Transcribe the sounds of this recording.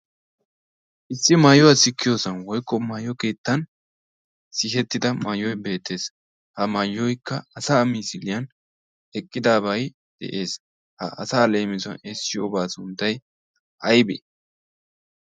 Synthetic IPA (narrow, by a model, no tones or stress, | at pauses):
ʔɪsːɪmajɔwɐsɪkːɪjoːsɐnwɔjkːɔmajɔke̞ːt̪ːɐn | sɪɦɛt̪ːɪd̪ɐmɐjːɔjbe̞ːt̪ːe̞ːs | hɐmɐjːɔjkʰːɐɐsaːmiːsɪlɪjɐn | ɛkʼːɪd̪aːbɐj | d̪̥ɛ̰ʔe̞ːs | hɐ̰ʔɐ̰saːle̞ːmɪzɐ̰nesːɪjbaːsʊnt̪ːɐj | ʔɐjbɛ̰